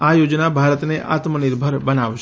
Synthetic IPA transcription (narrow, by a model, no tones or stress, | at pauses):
ajod͡ʒnabʱaɾət̪neʔa̰t̪məniɾbʱəɾbənaʋʃ